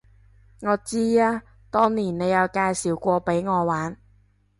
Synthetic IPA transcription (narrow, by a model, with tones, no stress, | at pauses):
ŋɔː˨˧t͡siː˥aː˥ | t̪ɔː˥ŋniː˨˩nne˨˧jɐ˨˧wkaː˧jsiː˨˩wkʷɔː˧pe˨˥jŋɔː˨˧waː˨˥n